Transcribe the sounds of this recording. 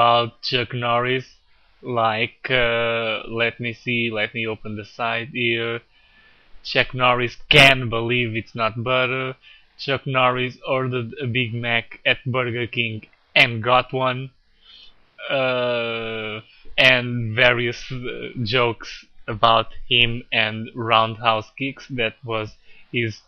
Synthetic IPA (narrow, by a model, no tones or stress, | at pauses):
əbaʊt̚t͡ʃɛknɔɹis | laɪkʌlɛt̚misilɛt̚mioʊpɨ̃nðɨsaɪtiɹ | t͡ʃɛknɔɹiskɨ̃nbəlivɨtsnɔt̪̚bɛɾə˞ | t͡ʃʌknɔɹisɔɹdədɨbɪɡ̚mækɨt̪̚bɜɹɡə˞kɪ̃ŋɡ | ɨ̃nɡɑtwʌ̃n | ʌ | ɨ̃nvɛɹiɨsd͡ʒoʊksəbaʊthɪ̃mɨ̃nɹãʊ̃nd̚haʊskɪksðɨt̪̚wʌzhɪz̥